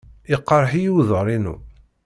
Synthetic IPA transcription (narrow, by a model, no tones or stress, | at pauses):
ɪqːɑɾˤħijuwðəɾˤinṵ